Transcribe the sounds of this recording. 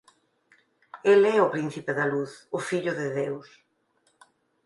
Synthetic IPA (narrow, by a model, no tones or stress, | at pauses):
elɛʊpɾin̟θipeðɐluθʊfiʎʊðɪðews